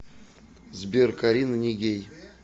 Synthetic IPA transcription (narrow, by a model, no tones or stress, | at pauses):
zbʲerkɐɾʲinənʲɪɡʲej